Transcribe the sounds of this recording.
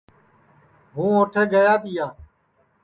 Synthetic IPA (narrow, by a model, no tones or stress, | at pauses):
ɦũːõːʈʰeːɡəjaːt̪ɪijaː